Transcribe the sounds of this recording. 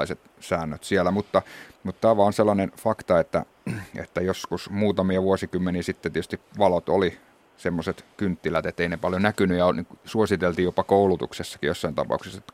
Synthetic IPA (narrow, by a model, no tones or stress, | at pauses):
iset̪ | sæːnːøt̪sielːˑæmut̪ːɑmut̪t̪æːʋɑːonselːɑnenfɑkt̪ɑet̪ːæ̰ | ḛt̪ːæjoskusmuːt̪ɑmiɑʋuosikymːeniːsit̪ːet̪et̪yst̪iʋɑlot̪o̰li | semːoset̪kynt̪ːilæt̪et̪ːeinepɑljonækynyjɑnisuosit̪elt̪iːjopɑkoulut̪ṵksesːɑ̥kijosːɑint̪ɑ̰pɑ̰ˑukse̥set̪ːæ